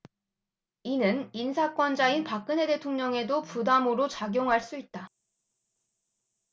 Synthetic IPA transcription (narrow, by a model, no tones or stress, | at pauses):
inɯninsʰak͈wʌnd͡ʑainpak̚k͈ɯnɦe̞de̞tʰoŋɲʌŋe̞dopudamoɾot͡ɕaɡjoŋɦaɭs͈uit̚t͈a